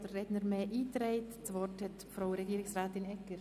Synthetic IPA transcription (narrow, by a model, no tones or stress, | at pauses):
d̥əːɛdnəɾmɛːʔiːtɾɛɪtt͡sʋɔrthɛtfɾaʊɾɛɡiːɾɪksɾaːtɪnɛkəɾ